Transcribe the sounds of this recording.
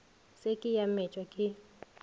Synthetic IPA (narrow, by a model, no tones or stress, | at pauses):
sekʼɪjamɛt͡ʃʼwakʼɪ